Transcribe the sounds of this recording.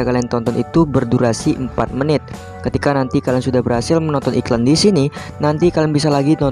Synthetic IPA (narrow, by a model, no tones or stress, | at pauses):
aɡalaant̪ɔnt̪ɔnit̪ubərduɾasiʔəmpat̪̚mənɪt̪̚ | kət̪ikanant̪ikalaŋsudahbərhasɪlmənɔnt̪ɔniklandisini | nant̪ikalɪŋbisalaɡinɔ